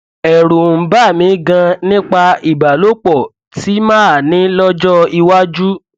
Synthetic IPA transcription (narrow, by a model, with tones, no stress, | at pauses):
ɛ˨ɾu˨m̩˨ba˦˨mĩ˨˦ɡã˧nĩ˦k͡pa˧i˨ba˨lo˨˦k͡pɔ˦˨ | ti˨˦mãː˦a˨nĩ˨˦lɔ˦d͡ʒɔ˦i˧wa˦d͡ʒu˦